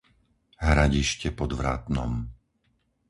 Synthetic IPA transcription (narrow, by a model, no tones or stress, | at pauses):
ɦɾaɟiʃcɛpɔd̪ʋɾa̰ːt̪nɔ̰m